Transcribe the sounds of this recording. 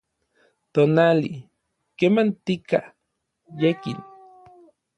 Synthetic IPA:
t̪onali | kemant̪ika | jekḭn

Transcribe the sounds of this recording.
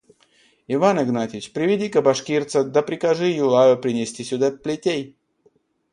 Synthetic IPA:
ɪvanɨɡnatʲɪt͡ɕpɾʲɪvʲɪdʲikəbɐʂkʲirt̪səd̪əpɾʲɪkɐʐɨjʊlˠajʊpɾʲɪnʲɪsʲtʲisʲʊd̪aplʲɪtʲej

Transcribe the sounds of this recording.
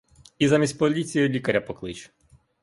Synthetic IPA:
izamʲisʲt̚ʲpɔlʲit͡sʲijʊlʲikɐɾʲɐpɔklˠɪt͡ʃ

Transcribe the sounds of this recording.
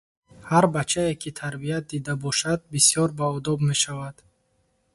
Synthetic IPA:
haɾbat͡ʃʰaekʰit̪ʰaɾbiat̪̚d̪id̪abɔʃad̪̚bisjɔɾbaɔd̪ɔbme̞ʃavad̪̥

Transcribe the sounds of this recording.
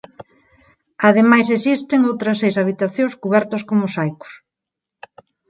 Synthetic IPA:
aðemajsesist̪ɪŋowt̪ɾɐsejsaβ̞it̪aθjõskuβɛɾt̪ɐskomʊsajkʊ̥s

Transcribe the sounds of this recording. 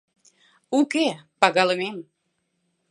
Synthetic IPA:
ukepɑɣɑlə̆mem

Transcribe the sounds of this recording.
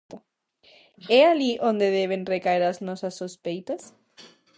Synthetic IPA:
t̪a | ɛaliʔõnd̪eðeβenrekaeɾaznɔsasːospejt̪as

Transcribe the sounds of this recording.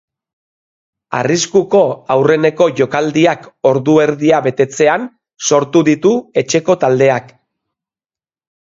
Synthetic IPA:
a̰riskuko̞awre̞ne̞ko̞ʝo̞kald̪iako̞ɾðue̞ɾðiaβe̞t̪e̞t͡se̞an | so̞ɾt̪uðit̪ue̞t͡ʃe̞ko̞t̪ald̪e̞ak

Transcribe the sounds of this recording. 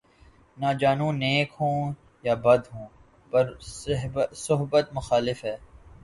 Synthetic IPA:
naːd͡ʒaːnũneːkɦõː | jaːbɐd̪ɦũː | pɐɾɦsʊɦbət̪mʊxaːlɪfɦɛː

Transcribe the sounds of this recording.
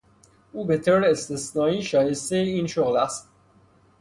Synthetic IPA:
uːbet̪ʰoɾeːst̪esnɒːiːʃɒːje̞st̪ejeiːnʃoɣlæst̪̚

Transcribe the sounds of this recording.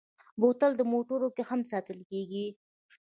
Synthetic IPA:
bot̪əld̪əmoʈoɾokexamsɑt̪əlkeɡi

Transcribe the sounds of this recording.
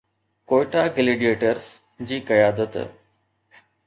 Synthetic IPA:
koːɪʈaːɡɪleːɖijeːʈəɾs | d͡ʑiːkɐjaːd̪ət̪

